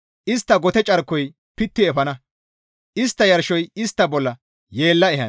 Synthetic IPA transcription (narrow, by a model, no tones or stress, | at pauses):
ʔɪst̪ːɐɡɔt̪ɛt͡ʃʼɐɾkːɔj | pɪt̪ːɪɛfɐnɐ | ʔɪst̪ːɐjɐɾʃɔjɪst̪ːɐbɔlːɐ | jeːlːɐɛɦɐn